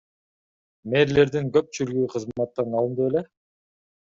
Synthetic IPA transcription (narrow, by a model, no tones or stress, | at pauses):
me̞ɾle̞ɾd̪iŋkø̞p̚t͡ʃylyɡyqʰɯzmɑt̪ːɑnɑlˠɯnd̪uele